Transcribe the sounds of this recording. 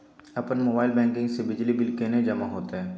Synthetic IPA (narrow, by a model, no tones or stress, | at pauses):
ɐpənmoːbaːɪlbɛ̃ːŋk̬ɪ̃ŋɡsebɪd͡ʒlibɪlkened͡ʒɐmaɦoːt̪eɦɛ̃ː